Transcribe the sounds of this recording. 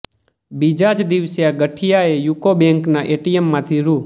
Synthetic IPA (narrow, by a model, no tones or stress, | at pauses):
bid͡ʒad͡ʒd̪iʋsjaɡəʈʰijaejukobẽŋknaʔeʈijemːãt̪ʰiɾu